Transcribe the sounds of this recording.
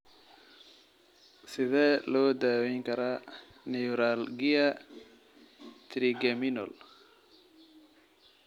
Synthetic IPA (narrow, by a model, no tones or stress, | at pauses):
sɪðɛːlɔːd̪aːwɛŋkʰɐɾaː | nɛuɾalɡɪɐ | t̪ʰɾiɡɛmɪnɔl